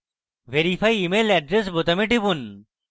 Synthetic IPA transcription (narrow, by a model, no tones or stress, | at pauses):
ʋeɾifʰajimelɛɖɾesbot̪ɐmiʈibun